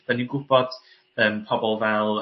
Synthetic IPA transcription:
d̥aniɡʊb̥ɔd̥ | əːmpʰɔbɔlˠvɛlˠ

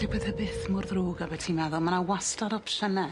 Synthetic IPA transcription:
dɪbwɛðhəbɪθmʊrðruːɡabɛtʰiːnmɛðɔmanawastaɾɔpʃənɛ

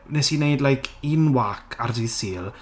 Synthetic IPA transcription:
nɛsinejdlajkʰinwakʰardisiːlˠ

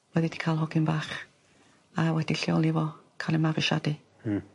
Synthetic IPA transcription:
wɛðidi̥kʰaːlˠɦɔɡɪnbaːχ | awɛdiɬiɔlˠivɔkʰalˠimaviʃa̰di

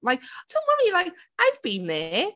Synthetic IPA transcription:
laɪk̚d̥õʊ̃nwɔɹilaɪk | ʔaɪvbĩnðə

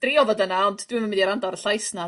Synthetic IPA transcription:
d̥rɪɔvɔdənaɔndd̥wɪməmɪndiɾandɔɾəɬajsna

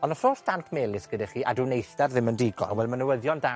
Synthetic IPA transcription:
ɔnəfoːsd̥ankʰmeːlɪsɡ̥ədɛχiːʔa̰dunejθdɛrðɪməndiːɡɔ̰nwɛlˠmanəwəðjɔnda

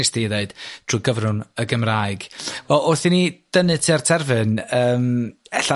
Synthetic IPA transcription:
ɪsd̥iðeɨd̥d̥ʰruːɡəvrʊnəɡəmraːjɨɡ̥vɛʔɔθinid̥ənɨtʰiartʰɛrvɨnəːmɛɬa

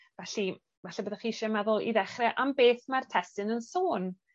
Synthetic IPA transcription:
vɛɬi | vɛɬɛbəːðaχiːʃɛmɛðʊlˠḭðɛχrɛʔambeːθmartʰɛstɨnənsoːn

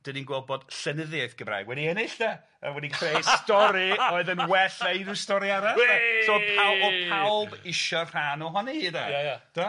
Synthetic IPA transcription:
d̥əninɡwɔbɔd̥ɬənəðjaɨθɡ̥əmra̰ːɡwɛdiɛnɪɬd̥a | a̰wɛdikʰrejstɔɾiɔɨðənwɛɬejnustɔɾiaɾaɔsopʰawɔpʰalˠbɪʃɔr̥aːnɔɦɔniidaaad̥a

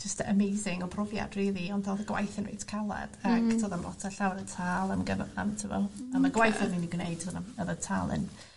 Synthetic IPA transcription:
d͡ʒəstə̰mejzɪŋɔpʰrɔvja̰d̥riːðˠiɔndθoːðəɡwa̰jθɪnḛjtʰkʰalˠɛ̰d̥aktʰoːðamlɔ̰tʰaɬawɾətʰaːlˠəmɡəvəva̰mtʰɪvɔ̰amaɡwajθɪminiɡwnejɨd̥̚tʰonaəðətʰa̰ːlˠɪ̰n

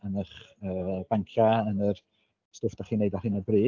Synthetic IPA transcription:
ənəχəːb̥aŋkʰjaənər | stʊːfd̥aχiːnejdahɨːnəbriː

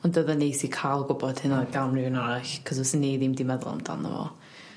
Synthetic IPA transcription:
ɔndəðənejsikʰaːlˠɡʊbɔd̥hɪnaɡamrɪwnaɾaɬkʰɔzɔsənːejðimdimɛðʊ̰lˠa̰mda̰nə̰vɔ̰

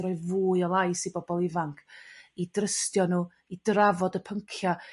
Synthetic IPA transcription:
ɾɔɨvuːɨɔlˠaɨsibɔbɔlˠɪvaŋkʰidrəstjɔnuː | idravɔdəpʰəŋkʰja

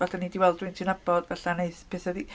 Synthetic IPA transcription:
vaɬanidiwɛlˠdwɪɨntʰiwnabɔd̥vaɬaneɨθpʰeθɔdi

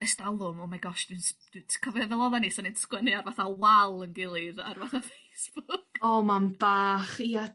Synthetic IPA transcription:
əstalˠʊmɔmaɡɔʃd̥ɪnsd̥ʰkʰɔvɛvɛlˠɔðanisɔninskwənɨarvaθawalˠənɡɪlˠɨða̰rvaθavejsb̥ʊkɔmamb̥aːχia

